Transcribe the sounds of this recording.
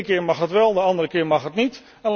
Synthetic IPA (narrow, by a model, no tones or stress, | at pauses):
kɪəɹmɑxɦətʋɛlˠdəɑndəɾəkɪəɹmɑxɦətnit | ɛnl